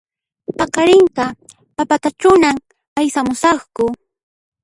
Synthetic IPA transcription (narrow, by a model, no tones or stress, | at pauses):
pɑkɑɾɪŋqɑ | papat̪at͡ʃʊnam | ajsamʊsɑχkʊ